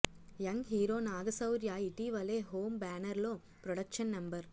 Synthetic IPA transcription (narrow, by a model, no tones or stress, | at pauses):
jɐŋɡɦiːɾoːnaːɡɐsɐʊɾjaːiʈiːʋɐleːɦoːmbaːnɐɾloː | pɾɔɽɐkʃɐnːɐmbɐɾ